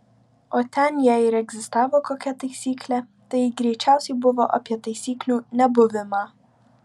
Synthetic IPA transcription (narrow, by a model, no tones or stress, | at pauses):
ot̪ʲɛnjɛɪɾɛɡzʲɪst̪ɑːʋokokʲɛt̪ɐɪsʲiːklʲɛ | t̪ɐjɡɾʲɛjt͡ʃʲæʊsʲɛjbʊʋɔʔɔ̰pʲjɛt̪ɐjsʲiːklʲunʲɛbʊʋʲɪmɐ